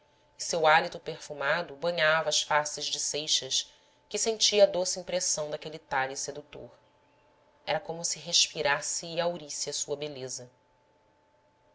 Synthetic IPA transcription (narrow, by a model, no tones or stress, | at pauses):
ɪsewalit̪ʊpeχfumad̪ʊbɐ̃ɲavɐːʃfasɪʒd͡ʒɪsejʃɐʃ | kɪsẽt͡ʃiɐd̪osiĩpɾesɐ̃w̃d̪akelit̪aʎised̪ut̪o̰ɾ | ɛɾɐkõmʊsiɦeʃpiɾasiːawɾisiɐsuɐbelezɐ